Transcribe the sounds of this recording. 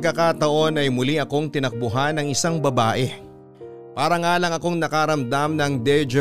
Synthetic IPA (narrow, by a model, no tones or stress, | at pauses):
ɡkːɐkat̪ɐʔo̞nɐjmʊliʔɐko̞ŋt̪ɪnɐk̚bʊɦanɐŋɪsaŋbɐbaːʔɛ | paːɾɐŋaːlɐŋɐko̞ŋnɐkaɾɐmd̪amnɐŋd̪ɛd͡ʒ